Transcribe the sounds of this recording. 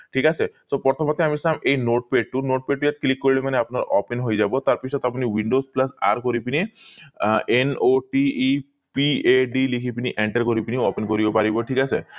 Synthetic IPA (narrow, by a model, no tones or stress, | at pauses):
ʈʰikasʰesɔpɔɾt̪ʰɔmɔt̪eamisamejnoʈ̚peɖʈunoʈ̚peɖ̚ʈujat̪klikːɔɾiɭemaneapnaɾɔpenɦojd͡ʒabɔt̪aɾpisʰɔt̪apɔniwiɳɖosplasa̰ɾkɔɾipini | enoʈiː | pieɖilikʰipiniʔeɳʈəɾkɔɾipiniɔpenkɔɾibɔpaɾibɔʈʰikasʰe